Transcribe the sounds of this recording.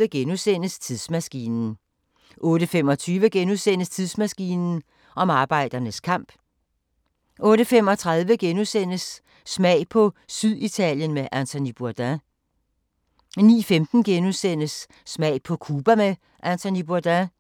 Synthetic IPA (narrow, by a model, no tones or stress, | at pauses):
əɡ̥enusen̰əst͡sʰiðˠsmæsɡ̥ḭːnn̩ | ʔɔ̽ːɾəfem̰ɒ̽t͡sʰyːʋəɡ̥enusen̰əst͡sʰiðˠsmæsɡ̥iːnn̩ | ɒ̽mɑ̈ːb̥ɑ̈ɪ̰d̥ɐnəskʰɑ̈m̰b̥ | ʔɔ̽ːɾəfemɒ̽t͡sʰʁɑ̈ðˠʋəɡ̥enusen̰əsː | mɛɪ̰pʰɒ̽syðˠit͡sʰɛ̰ljənmeʔænt͡sʰo̝nib̥uɐd̥æ | nḭːfemd̥n̩ɡ̥enusen̰əsː | mɛɪ̰pʰɒ̽kʰuːb̥æme | ʔænt͡sʰonib̥uɐd̥æ